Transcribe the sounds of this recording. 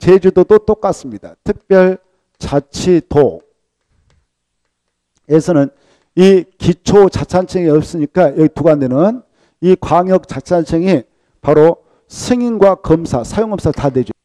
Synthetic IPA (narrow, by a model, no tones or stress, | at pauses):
t͡ɕed͡ʑudodot͈ok͈as͈ɯmɲidatʰɯk̚p͈jʌɭ | t͡ɕat͡ɕʰito | esʰʌnɯn | ikit͡ɕʰot͡ɕat͡ɕʰant͡ɕʰeŋiʌp̚s͈ɯɲik͈ajʌɡituɡandwenɯn | ikwaŋjʌk̚t͡ɕat͡ɕʰant͡ɕʰeŋi | paɾo | sʰɯŋinɡwakʌmsʰasʰajoŋʌmsʰatadwed͡ʑ